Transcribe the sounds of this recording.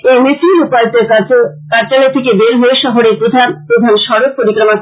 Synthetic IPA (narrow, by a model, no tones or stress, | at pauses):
emisilupalt̪eɾka | kaɾt͡ɕalet̪ʰekebeɾɦoeʃɔɦoɾeɾpɾod̪ʱanpɾod̪ʱanʃɔɾok̚poɾikɾoma